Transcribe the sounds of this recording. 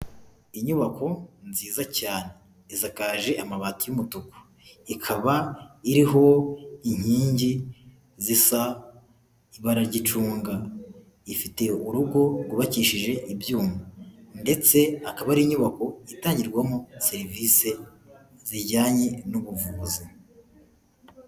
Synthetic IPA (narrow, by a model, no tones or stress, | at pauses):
iɲuβako̞nziːzacaːne̞ | izakaːʒe̞ʔamaβaːtujumutuku̥ | ikʰaβaiɾiɦo̞iɲ̥hiːɲɟi | zisa | iβaɾaɾɟit͡ʃuːŋɡa | ifite̞uɾuɡo̞ɡuβaciːʃiʒe̞ʔibjuːmande̞t͡se̞akaβaɾiːɲuβako̞itaːɲɟiɾɡwamose̞ɾiviːse̞ | ziɾɟaːɲe̞nuβuvuːzi